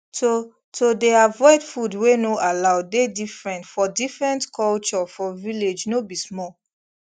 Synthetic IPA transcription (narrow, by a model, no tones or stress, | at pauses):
to | todeavɔɪtfudwenoʔalaʊdedifɹɛ̃ntfɔdifɹɛ̃ntkʰɔlt͡ʃɔfɔviled͡ʒnobismɔ